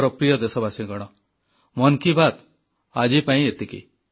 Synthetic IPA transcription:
ɾɔpɾijɔd̪esɔbasiɡɔɽ̃ɔ | mɔnkibat̪ | ad͡ʒipaĩet̪ikḭ

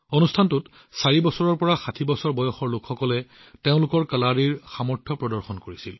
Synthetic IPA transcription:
onustʰantut | saɹibɔsɔɹɔɹpɔɹaxatʰibɔsɔɹbɔjɔxɔɹlʊkxɔkɔlɛ | teʊ̃lʊkɔɹkalaɹiɹxamɔɹtʰɔpɹɔdɔɹxɔnkoɹisil

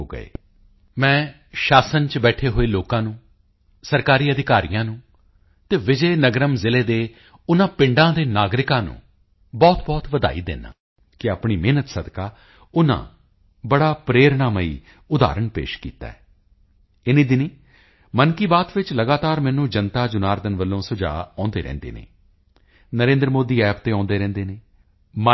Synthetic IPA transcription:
ɡə̰ḛː | mɛ̃ː | ʃaːsənt͡ʃbɛːʈʰeːɦoːeːloːkãːnũː | səɾkaːɾiːəd̪ɪkaːɾijãːnũː | t̪eːʋɪd͡ʒeːnəɡɾəmzɪleːd̪eː | ʊnãːpɪɳɖãːd̪eːnaːɡɾɪkãːnṵ̃ː | bɔːt̪bɔːt̪ʋəd̪a̰ːḭːd̪ḛnːã̰ː | kɪa̰ːpɳiːmeːnət̪səd̪kaː | ʊnã̰ː | bəɽaːpɾeːɾnaːməḭː | ʊd̪a̰ːɾəɳpḛːʃkḭːt̪a̰ːɛː | ɪniːd̪ɪniː | mənkiːbaːt̪ʋɪt͡ʃləɡaːt̪aːɾmɛ̃ːnũːd͡ʒənt̪aːd͡ʒʊnaːɾd̪ənʋəlːõːsʊd͡ʒa̰ːãːnd̪eːɾɛ̰̃ːnd̪ḛːnḛː | nəɾẽːnd̪ɾəmoːd̪iːɛːpt̪eːɔ̃ːnd̪eːɾɛ̃ːnd̪eːneː | ma

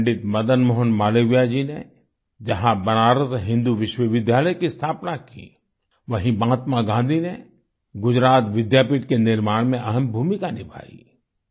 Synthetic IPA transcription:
ɳɖɪt̪mɐd̪ənmɔɦənmaːleʋjad͡ʒine | d͡ʒɐɦãbɐnaːɾəzɦɪ̃nd̪uʋɪʃwəʋɪd̪ʱjaːləjkist̪ʰaːpnakḭː | ʋɐɦĩbãːt̪maɡãːnd̪ʱine | ɡʊd͡ʒɾaːt̪ʋɪd̪jaːpiːʈkenɪɾmaːɽ̃mẽʔɐɦəmbʱuːmɪkanɪbʱa̰ːḭ

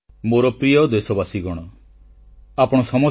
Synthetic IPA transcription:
moɾɔpɾijɔd̪esɔbasiɡɔɽ̃ɔ | apɔɽ̃ɔsɔmɔ

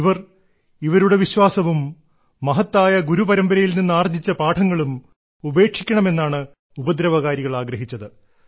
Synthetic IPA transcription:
iʋɐr | iʋɐɾuɽe̞ʋiɕwaːsɐʋumː | ɐɦɐt̪ːaːjɐɡuɾupɐɾɐmbɐɾɐjilninːaːrd͡ʑit͡ɕːɐpaːʈʰɐŋːɐɭum | ube̞ːʂikʲːɐɳɐme̞nːaːɳɨ | ubɐd̪ɾɐʋɐɣaːɾiɣɐɭaːɡɾɐɦit͡ɕːɐðɨ

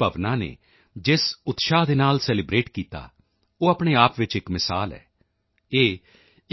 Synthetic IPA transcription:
əʋnãːnḛː | d͡ʒɪsʊt̪ʃaːd̪eːnaːlsɛːlɪbɾeːʈkiːt̪a̰ː | oːəpɳ̃eːaːpʋɪt͡ʃɪkmɪsa̰ːlɛ̰ː | eː

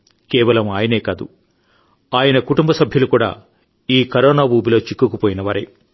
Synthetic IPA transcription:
kɛːʋɐlɐmaːjɐne̞ːkaːd̪ṵ | aːjɐnɐkuʈumbɐsɐbʱjɐlukuːɽa̰ː | iːkɐɾoːnaːbuːbilo̞ːt͡ʃikːukupoːjinɐʋaːɾḛ

